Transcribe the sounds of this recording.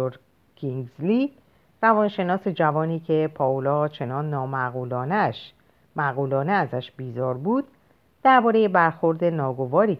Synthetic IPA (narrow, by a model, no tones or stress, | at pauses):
oɾ | kʰiŋɡzli | rævɒːnʃe̞nɒːse̞d͡ʒævɒːniːcʰe̞pʰɒːolɒːt͡ʃʰe̞nɒːnːɒːmæɣuːlɒːneʃ | mæɣuːlɒːneæzæʃbiːzɒːɾbuːd̪̥̚ː | æɾbɒːɾeje̞bæɾxo̞ɾd̪e̞nɒːɡo̞vɒːɾiː